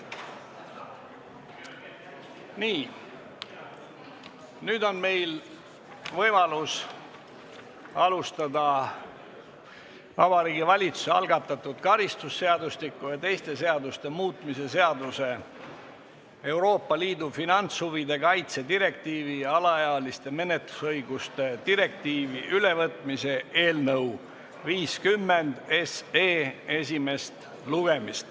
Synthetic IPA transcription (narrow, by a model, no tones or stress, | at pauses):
niː | nyːd̪o̞nme̞jl | vɤjmɑlus | ɑlust̪ɑd̪ɑ | vɑbɑɾiːɡivɑlʲit̪su̥seɑ̰lɡɑt̪ːˑɑt̪ːˑud̪̥kɑɾist̪usːe̞ɑd̪ust̪likːˑujɑt̪e̞jst̪e̞se̞ɑd̪ust̪e̞muːt̪ˑmise̞se̞ɑd̪use̞ | e̞uɾo̞ːpːˑɑliːd̪ufinɑnt̪shuvid̪e̞kɑjt̪se̞d̪iɾe̞k̚t̪iːviɑlɑjɑlist̪e̞me̞net̪lu̥sɤjɡ̥ust̪e̞t̪iɾe̞k̚t̪iːviʔyle̞vɤt̪ˑmise̞e̞ːlnɤw | viːskymːend̪̥e̞seːe̞sʲime̞st̪ | luɡ̥e̞mist̪